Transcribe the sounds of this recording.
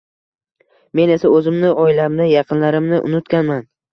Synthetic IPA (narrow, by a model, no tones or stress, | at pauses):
me̞ne̞saɵzɪmnɪɒɪlamnɪjɑqʰɨnlaɾɪmnɪʔʊ̰nʊt̪kʲanman